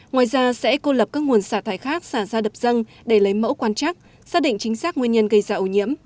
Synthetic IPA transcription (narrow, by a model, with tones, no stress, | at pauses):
ŋwaː˨˩jzaː˧sɛ̰˧˥ko˧lə˨˩p̚kaː˦˥k̚ŋu˨˩ənsaː˧˩t̪ʰaː˨˩˦jxaː˦˥k̚saː˧˩zaː˧ɗə˨˩p̚z̥ə˧n | ɗe˧˩lə˨˦jmə̰˧˥wkwaː˧nt͡ɕaː˦˥k̚ | saː˦˥k̚ɗḭ̈˧˨ŋ̟t͡ɕï˨˦ŋ̟saː˦˥k̚ŋwi˧ənɲə˧nɣə˧jzaː˧˩ʔu˧˩ɲḭ˧˥əm